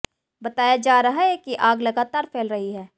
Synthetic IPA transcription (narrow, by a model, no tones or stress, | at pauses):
bɐt̪aːjad͡ʒaːɾɐɦaɦɛkiʔaːɡlɐɡaːt̪aːɾfʰeːlɾɐɦiɦɛː